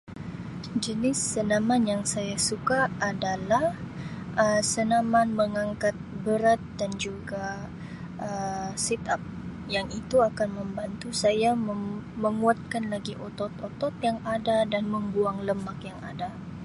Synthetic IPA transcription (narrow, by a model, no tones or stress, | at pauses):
d͡ʒənɪsənamanjaŋsajasukaːdalahʔəsənamanməŋaŋkat̪̚bəɾat̪̚dand͡ʒuɡa | ʔəsɛt̪ap̚ | jaŋit̪uakanməmbant̪usajaməməŋuat̪̚kanlaɡiʔot̪ɔt̪ot̪ɔt̪̚jaŋadadanməmbuaŋləmakjaŋa̰da